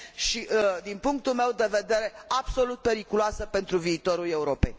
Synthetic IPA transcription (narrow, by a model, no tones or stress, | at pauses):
ʃid̪inpuŋk̚t̪ulmewd̪e̞ve̞d̪e̞ɾe̞ab̥so̞lut̪̚pe̞ɾikuloasəpe̞nt̪ɾuviːt̪o̞ɾuleuɾo̞pḛjʲ